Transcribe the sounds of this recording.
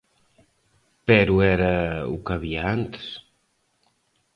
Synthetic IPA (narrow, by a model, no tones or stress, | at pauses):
peɾuɛɾəṵkaβiaant̪s